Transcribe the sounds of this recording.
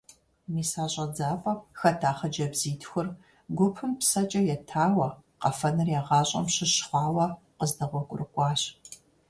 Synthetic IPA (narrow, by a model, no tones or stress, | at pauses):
miːsaːɕʼɐd͡zaːpʼɐxɐtʰaːχɐd͡ʒɐbz̥iːtʰxʷʊr | ɡʷʊpʰɨmpsɐt͡ʃʼɐjɛtʰaːwɐqɐfɐnɨrjaːʁɑːɕʼɐ̰mɕɪɕχʷɑːwɐ | qəzdɐʁʷɔkʷʼʊrɨkʷʼɑːɕ